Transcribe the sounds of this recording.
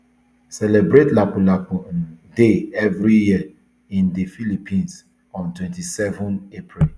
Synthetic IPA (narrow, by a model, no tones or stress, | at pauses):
sɛlɛbɾetlapulapũdeɛvɾijiə | ĩndefilipʰĩns | ɔ̃ntwɛ̃ntisɛvɔ̃nepʰɹil